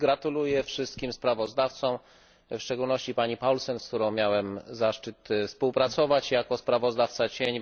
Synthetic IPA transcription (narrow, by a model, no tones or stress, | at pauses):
ɡɾat̪ulujɛfʂɘst̪̚kʲimspɾavɔzd̪aft̪sɔ̃w̃ | fʂt͡ʂɛɡulnɔɕt͡ɕipaɲipawlsɛnskt̪uɾɔ̃w̃mʲjawɛmzaʂt͡ʂɘt̪fspuwpɾat̪sɔvat͡ɕjakɔspɾavɔzd̪aft̪sat͡ɕeɲ